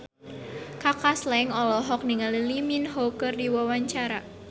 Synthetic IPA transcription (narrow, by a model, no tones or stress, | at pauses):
kakaslɛŋɔlɔɦɔk̚niŋaliliminɦɔkərdiwɔwaɲt͡ʃaɾa